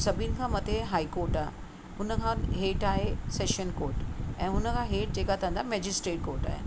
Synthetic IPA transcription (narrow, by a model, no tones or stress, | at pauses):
sɐbʱinɪ̆kʰãmɐt̪ʰeɦaːikoːɾʈaːɦe | ʊnə̆kʰãɦeːʈaːɦeseːʃənkoːɾʈɛ̃ːʊnə̆kʰãɦeːʈ̚d͡ʑeːkat̪ʰɐ̃nd̪amɛːd͡ʑɪsʈɾeːʈ̚koːɾʈa̰ːɦḛ